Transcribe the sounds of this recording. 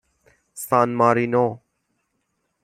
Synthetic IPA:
saːnmaːɾiːnoː

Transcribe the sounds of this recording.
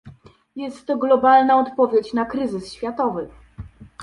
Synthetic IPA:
jɛst̪ːɔɡlɔbalnaɔt̪pɔvʲjet͡ɕnakɾɘzɘsɕfʲjat̪ɔvɘ

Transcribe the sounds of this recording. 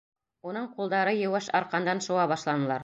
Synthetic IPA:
unɤɴqulˠd̪ɑɾɤjɤ̆wɘʃɑɾqɑnd̪ɑnʃŏwɑβɑʃlˠɑnɤ̆lˠɑɾ

